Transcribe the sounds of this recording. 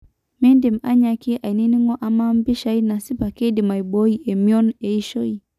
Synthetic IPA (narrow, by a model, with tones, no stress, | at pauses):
mɛ˦ndi˨ma˦ɲa˧ki˦ʔa˨i˨ni˦ni˦ŋɔ˦ʔa˨ma˦m˦bi˦ʃa˦ina˨si˦pa˨kɛ˦di˨ma˨ibɔ˦iɛ˨miɔ˦nɛ˨iʃɔ˦i